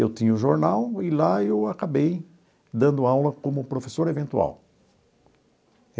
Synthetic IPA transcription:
ewt̪ĩɲɐʊʒoɾnawɪlaewakabej | d̪ɐ̃nd̪ʊawlɐkõmʊpɾofesoɾevẽnt̪ua̰w

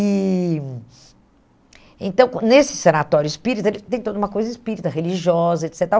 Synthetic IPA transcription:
i | ḛ̃nt̪ɐ̃w̃kõnesɪ̥senat̪ɔɾjʊispiɾit̪ʊelɪt̪ẽj̃t̪od̪ɐũmɐkojzɐispiɾit̪ɐɦeliʒiɔzɐet̪sɛt̪ɾaw

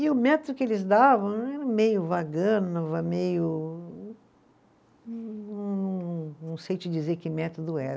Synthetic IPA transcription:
ɪʊmɛt̪od̪ʊkɪelɪzd̪avɐ̃w̃ɛɾɐmejʊvaɡɐ̃nɐvɐmejʊ | ɐ̃ñw̃ñnɐ̃w̃sejt͡ʃɪd͡ʒizeɾkɪmɛt̪od̪ʊɛɾ

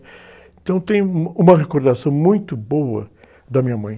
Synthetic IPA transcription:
ẽt̪ɐ̃w̃t̪ẽj̃ũmɐʁekoɾd̪asɐ̃w̃mũj̃t̪ʊbowɐ̰ | d̪ɐmĩɲɐmɐ̃j̃

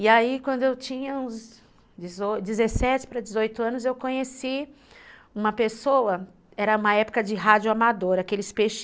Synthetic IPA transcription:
ɪaikwɐ̃nd̪ʊewt͡ʃĩɲɐũz | d͡ʒɪzod͡ʒɪzesɛt͡ʃɪ̥pɾɐd͡ʒɪzojt̪ʊɐ̃nʊzewkõɲesi | ũmɐpesowɐ | ɛɾɐũmɐɛpʊ̥kɐd͡ʒɪɦad͡ʒʊamad̪oɾakelɪspeʃ

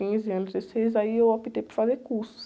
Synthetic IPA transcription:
ĩziɐ̃nzesejzaiewapit̪ejpʊɾfazekuɾsu̥s

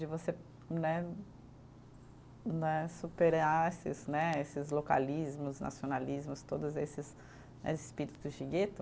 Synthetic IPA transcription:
d͡ʒɪvose | nɛ | nɛsupeɾaesɪznɛesɪzloka̰lizmʊznʔa̰sionalizmʊst̪od̪ʊzesɪs | nɛ̰sɪspiɾit̪t̪ʊʒiɡet̪ʊ

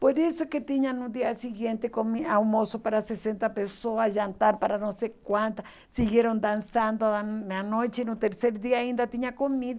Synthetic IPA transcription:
poɾesoket̪iɲanũd̪iasiɣjent̪ekomiawmosopaɾasesent̪apesoasʒant̪aɾpaɾanosekwant̪a | siɣjeɾond̪ansand̪oanojt͡ʃenut̪eɾseɾd̪iaind̪at̪iɲakomiða

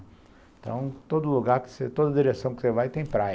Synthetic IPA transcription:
t̪ɐ̰̃w̃t̪od̪ʊluɡaɾkɪ̥set̪od̪ɐd̪iɾesɐ̃w̃kɪ̥sevajt̪ẽj̃pɾaj

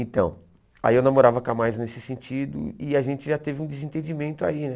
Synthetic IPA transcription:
ẽnt̪ɐ̃w̃ | a̰iewnãmoɾavɐkamajznesɪsẽt͡ʃid̪ʊ̰ɪaʒẽnt͡ʃɪʒat̪evɪũd̪ezẽnt̪ẽd͡ʒimẽnt̪ʊa̰inɛ

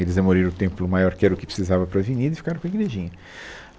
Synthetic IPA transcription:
elɪzɐmoɾiɾ̃ʊt̪ẽmplʊmajɔɾkɪɛɾɐʊkɪ̥pɾɪ̥sizavɐpɾɐvinid̪ɪfi̥kaɾ̃kɡiɾeʒĩɲɐ

